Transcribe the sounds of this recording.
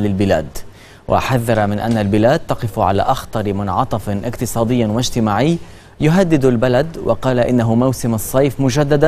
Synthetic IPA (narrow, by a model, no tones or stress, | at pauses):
lɪlbɪlaːd̪ | wʔa̰ħaðːɑɾˤɑmɪnʔa̰nːalbɪlaːd̪̚t̪ɑqɪfʕa̰la̰ːʔɑxt̪ɑɾmʊnʕɑt̪ˤɑfnʔɪqt̪ɨsˤɑːd̪ɪjːwad͡ʒt̪ɪmaːʕɪjː | jʊɦad̪ːɪd̪albalad̪wʔɑ̰qɑːlaʔɪnːaɦʊmawsɪmɑsˤːɑjfmʊd͡ʒad̪ːad̪a